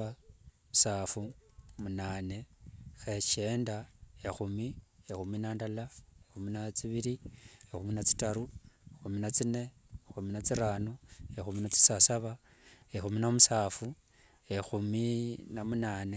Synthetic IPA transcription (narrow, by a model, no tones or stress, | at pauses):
a | musaːfumunaːne̞xet͡ʃe̞ːndaexumiexuminandalaexuminat͡siβiɾiexuminat͡si̥taɾuexuminat͡sine̞exuminat͡siɾaːnoexuminat͡si̥sasaβa | exuminamusaːfu | exuminamunaːne